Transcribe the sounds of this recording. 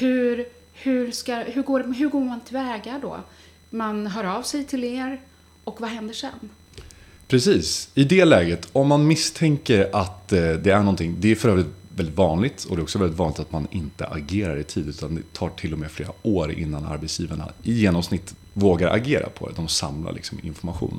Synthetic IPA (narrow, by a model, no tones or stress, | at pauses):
hɵ̟ɾ | hɵ̟ɾskaɦɵɡoːɖɛɦɵɾɡoːɾmant̪ʰɪlvɛːɡaɖɔ̰ː | manɦœːɾɑːvsɛjt̪ʰɪleːɾ | ɔkvaɦɛnd̪əʂɛ̰n | pʰɾɛsiːsɪd̪ɛlɛːɡət̪ʰɔmːanmɪst̪ʰɛŋkəɾat̪d̪ɛæɳɔnt̪ʰɪŋd̪ɛæɾfœɾœːvɾɪt̪vɛlɪt̪vɑːnlɪɡt̪ʰɔd̪ɛɔksɔvɛlːɪt̪vɑːnɪkt̪at̪manɪnt̪ə̰ʔaɡeːɾaɾɪt̪ʰiːd̪ʉ̟ːt̪and̪ɛt̪ʰɑːʈʰɪlːɔmɛːflḛːɾaoːɾɪ̰nːana̰ɾbɛt̪sjiːvaɳa̰ɪjeːnɔmsnɪt̪ː | voːɡaɾʔa̰ɡeːɾa̰pʰɔd̪ɛ̰d̪ɔmsa̰mlʔa̰lʔɪ̰ksɔmɪ̰nfɔɾmaɧṵːn